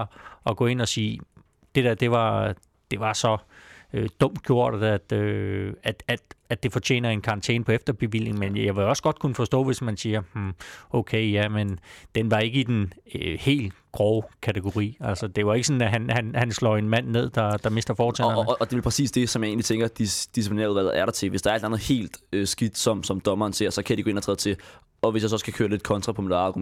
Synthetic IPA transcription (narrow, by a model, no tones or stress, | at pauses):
ɒ̽ɡ̥ɔ̰ːe̝n̰ɒ̽siː | d̥e̝d̥æd̥e̝ʋɑ̈ | d̥e̝ʋɑ̈sɒ̽ød̥ɔ̽m̰d̥̚ɡ̥jo̝ɐ̰ɾ̥ɐd̥æd̥øæ̥æ̥ædd̥e̝fɒ̽t͡ɕʰḛːnɐe̝nkʰɑ̈ʁɑnt͡sʰḛːnpʰɒ̽efd̥ɐb̥e̝ʋil̰e̝ŋmenjɑ̈ʋeɒ̽sɡ̥ɒ̽d̥̚kʰunəfɒ̽sd̥ɔ̰ːʋe̝smænsiːɐmm̩okʰeɪjæmend̥enʋɑ̈e̝ɡ̥əid̥enhe̝̰ːl | ɡ̥ʁɒʊkʰæt͡sʰeɡ̥o̝ʁḭːæl̰səd̥e̝ae̝ɡ̥əsɒ̽n̩æɦænhænhænslɒ̰e̝nmæn̰ːe̝ð̞̰ˠd̥ɑ̈d̥ɑ̈me̝sd̥ɐfɒːt͡sʰɛ̰nd̥e̝ʋelpʰʁɛsḭːsd̥e̝sɒ̽mjɑ̈ɪe̝ːnlit͡sʰeŋɡ̥ɐd̥id̥isipʰone̝ːɐuðˠʋælð̩ˠæɐɾ̥ɑ̈t͡sʰe̝ʋesd̥ɑ̈ɐeld̥ænð̩ˠhe̝̰ːld̥øsɡ̥id̥sɒ̽msɒ̽md̥ɒ̽mɐːnse̝ɐ̰sɒ̽kʰæd̥iɡ̥oe̝nɐt͡sʰʁɛːðˠt͡sʰe̝ | ʔɒ̽ʋesjasɒ̽skʰækʰøːɐle̝d̥kʰɒ̽nt͡sʰʁɑ̈pʰɒ̽midɑ̈ɡum